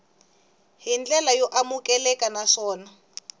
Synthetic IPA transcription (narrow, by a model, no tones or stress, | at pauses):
ɦind͡ɮɛlajɔʔamukʼɛlɛkʼanaʂɔːna